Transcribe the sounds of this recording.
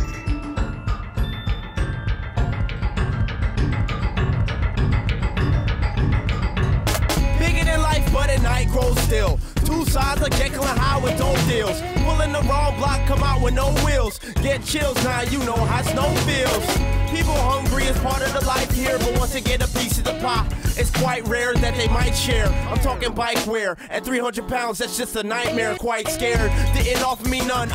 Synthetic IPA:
b̥ɪɡɨɾɨ̃nlaɪfb̥ʌɾɨ̃nnaɪt̚ɡ̥ɹoʊz̥stɪlˠtʰusaɪdzəkʰɛt̚ɡ̥ʌ̃nəɦaɪwɨdoʊdɪlˠz̥pʰʊlˠɪ̃nðəɹɔ̃ŋblɑkʰːʌ̃maʊt̚wə̃noʊwɪlˠz̥ | ɡ̥ɛt̚t͡ʃʰɪlˠznajɨnoʊɦaznoʊfilˠz̥pipl̩ˠhʌ̃ŋɡɹiɨz̥pʰɑɹɾɨðəlaɪfhiɹbʌt̚wʌ̃nstɨɡɛɾəpisɨðəpʰɑp̚ɨtskʰw̥aɪt̚ɹɛɹðɨt̪̚ðeɪmaɪtʃɛɹãɪ̃mtʰɔkɪ̃ŋbaɪkʰwɛɹ | ɨt̪̚θɹihʌ̃ndəd̚pʰãʊ̃ndzðɨtsd̥ʒ̥ʌst̚ðɨnaɪt̚mɛɹkʰw̥aɪtskɛɹəd̚tɨɪ̃ndɔfminʌ̃n

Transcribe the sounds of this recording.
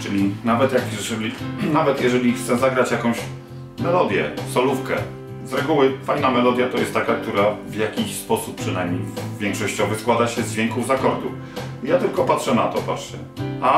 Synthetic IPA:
t͡ʂɘlʲinavɛt̪jakʐɛlʲinavɛt̪jɛʐɛlʲixt̪sɛzaɡɾat͡ɕjakɔ̃w̃ɕ | mɛlɔd̪ʲjɛ̰sɔlufkɛ̰ | zɾɛɡuwɘfajnamɛlɔd̪ʲjat̪ɔjɛst̪t̪ːakak̚t̪uɾavjakʲiɕspɔsup̚pːʂɘnajmɲejvʲjɛŋkʂɔɕt͡ɕɔvɘskwad̪aɕɛzd͡ʑvʲɛŋkuvzakɔɾd̪u | jat̪ɘlkɔpatʂɛna̰t̪ɔ̰pa̰t͡ʂt͡ɕɛ̰ | ʔa

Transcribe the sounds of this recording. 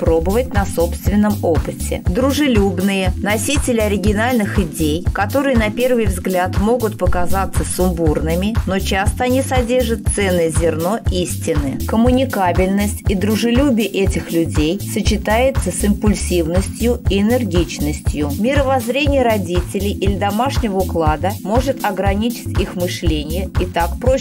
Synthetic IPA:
pɾo̞bəvətʲnɐso̞pst̪vʲɪnːəmo̞pɨtʲɪ̰d̪ɾʊʐɨlʲubnɨjənɐsʲitʲɪlʲɪɐɾʲɪɡʲɪnalʲnɨxɪdʲejkɐt̪o̞ɾɨjənɐpʲe̞rvɨjvzɡlʲat̪mo̞ɡʊt̪̚pəkazat̪səsʊmburnɨmʲɪno̞t͡ɕast̪əɐnʲisɐdʲe̞rʐət̪̚t̪sɛnːɨzʲɪrno̞ʔisʲtʲɪnɨkəmʊnʲɪkabʲɪlʲnəsʲtʲid̪ɾʊʐɨlʲubʲɪjəʔɛtʲɪxlʲʉdʲejsət͡ɕɪt̪ajɪt̪səsɪmpʊlʲsʲivnəsʲtʲjʊiɪnʲɪrɡʲit͡ɕnəsʲtʲjʊmʲɪɾəvɐzɾʲenʲɪjəɾɐdʲitʲɪlʲɪjʔilʲɪd̪ɐmaʂnʲɪvəʊklˠad̪əmo̞ʐɨt̪ɐɡɾɐnʲit͡ɕɪ̥tʲixmɨʂlʲenʲɪjəit̪akpɾo

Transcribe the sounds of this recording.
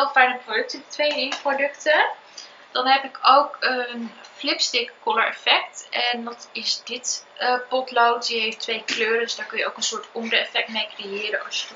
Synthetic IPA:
ɪlˠfɛjnəprodɵk̚tədtʋejriprodɵktə | d̥ɑnɦɛpɪkowkənflɪpstɪkkoləɹɛfɛktʔɛndɑtɪsdɪtəpɔtlowtjəɦejftʋejkløːrədɵsdaːɹkønjəʔo̰wkənsʊːɹtɔndəɛfɛk̚tmejkrejɪːɾənɑ̰sjə

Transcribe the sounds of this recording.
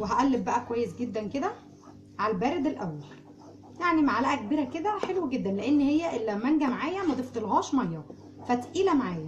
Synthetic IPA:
weɦæʔælːeb̚bæʔækowæjːesɡed̪ːænked̪æ | ʕaælbæːɾed̪elʔæwːæl | jaʕnimaʕalæʔækbiːɾæked̪æħelweɡed̪ːænleʔenːhejːæʔelːæwmænɡæmaʕaːjæmæd̪ˤeft̪elɣɑːʃmæjːɑ | fæt̪ʔiːlæmaʕaːjæ

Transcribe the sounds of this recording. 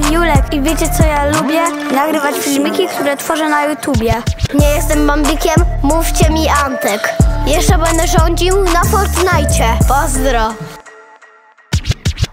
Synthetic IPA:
julɛkivʲjet͡ɕɛt̪sɔjalubʲjɛnaɡɾɘvat͡ɕfʲilmʲikʲikt̪uɾɛt̪fɔʐɛnajut̪ubʲjɛɲɛjɛst̪ɛmːɔmb̪ikʲɛmːuft͡ɕɛmʲiant̪ɛkjɛʂt͡ʂɛbɛnd̪ɛʐɔɲd͡ʑiwnafɔɾt̪najt͡ɕɛpɔzd̪ɾɔ

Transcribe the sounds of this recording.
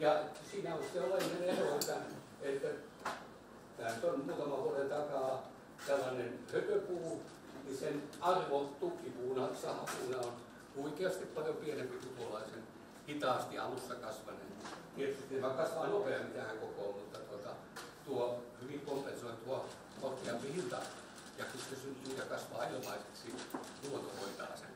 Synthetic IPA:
jɑsiːnæolsselːɑineneroet̪ːæ | et̪ːæ | t̪æːnyt̪onmuːt̪ɑmɑʋuorent̪ɑkɑː | t̪ælːɑnenhøkøpuː | nisenɑrʋont̪ukːipuːnɑsɑːpuːnɑon | oikeɑst̪ippɑljopienempisukolɑisen | hit̪ɑːˑst̪iʔɑ̰lusːɑkɑsʋɑ̰nḛnmietit̪ːeʋɑkɑsʋɑːnopeɑmit̪æhæŋkokoːmmut̪ːɑt̪uot̪ɑ | t̪uohyʋiŋkompensoit̪uo | kot̪ːiɑmpihilt̪ɑ | jɑkyssesynjuːjɑkɑsʋɑːɑjomɑiset̪siːtnuot̪ohoit̪ɑ̰ːsḛn

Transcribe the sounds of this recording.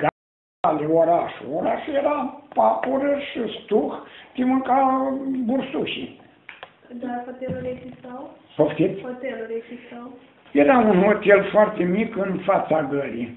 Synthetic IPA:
ɡa | leoɾaʃoɾaʃijeɾapapuɾəʃɨst̪uxt̪imɨŋkabursuʃḭ | d̪aot̪eluezist̪aw | poft̪it̪ʲt̪elɾezist̪aw | jeɾaunot̪elfoart̪emikɨnfat̪saɡəɾḭ

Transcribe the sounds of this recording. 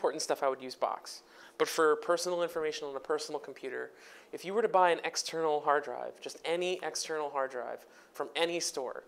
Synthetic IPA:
pʰɔɹʔn̩tstʌfaɪwɨdjʉzbɑ̰ks | b̥ʌtfə˞pʰɜ˞sn̩l̩ˠɪ̃ɱfə˞meɪʃɨ̃nə̃nəpʰɜ˞sn̩l̩ˠkʰm̩pʰj̥ʉɾə̰˞ɨfjɨwə˞ɾɨbaɪɨ̃nɛkstʰɜ˞nl̩ˠɦɑɹdɹa̰ɪvd͡ʒʌstɛniʔɛkstʰɜ˞nl̩ˠɦɑɹdɹa̰ɪv̥ | fɹʌ̃mɛnistɔ̰ɹ

